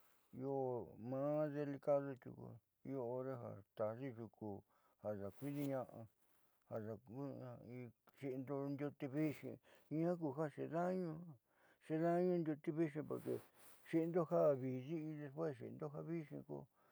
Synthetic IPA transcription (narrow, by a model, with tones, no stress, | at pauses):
i˧o˦˧mã˧˦ðe˧li˧ka˦ðo˧t̪ʲṵ˧kṵ˧ | i˧o˧o˧ɾe˧ɦa̰˨t̪a˨si˦ʒu˧˨ku˧ | ha˨sa˨kʷi˦ði˧ɲã˧ʔã˧ | ha˨sa˨ku˦˧i˧ʂi˧nd̪o˧nd̪ʲu˧t̪i˧βi˦ʂḭ̃˧ĩ˧˦ã˦ku˧ɦa˦ʂe˧ðã˦ɲũ˧ha˦ | ʂe˧ðã˦˧ɲũ˧nd̪ʲju˧t̪i˧βi˦ʂĩ˧po˨ɾkḛ˧ | ʂi˧nd̪o˦ha˦˨βi˨zi˦i˧ðe˧spwe˦sʃḭ˧˨nd̪o˦ɦa˦βi˦ʂḭ̃˧ko̰˧˦